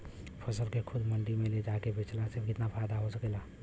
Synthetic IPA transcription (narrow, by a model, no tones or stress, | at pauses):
pʰəsəlkekʰʊd̪məɳɖimẽled͡ʒakebʱet͡ʃlasɪbkɪt̪napʰajd̪aɦosəkeːla